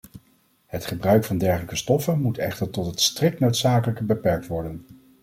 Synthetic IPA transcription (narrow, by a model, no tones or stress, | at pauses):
hətχəbrœɥkfɑndɛɹχələkəstɔfənmutɛχtəɹtɔtɦətstrɪk̚nowtsaːkələkəbəpɛɹk̚tʋɔɹdən